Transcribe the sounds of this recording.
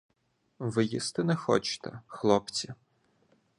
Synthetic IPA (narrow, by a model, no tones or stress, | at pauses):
ʋɪjist̪ɪnɛxɔ̰t͡ʃt̪ɛ̰xlˠɔpt͡sʲi